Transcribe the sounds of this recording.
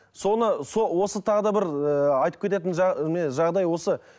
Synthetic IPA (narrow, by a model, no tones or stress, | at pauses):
so̞nəsowo̞sət̪ʰɑʁəd̪ɑbɪɾəɑjt̪əpkʲʰet̪̬e̞t̪̬ɪnʒmeʒɑʁd̪ɑjwo̞sə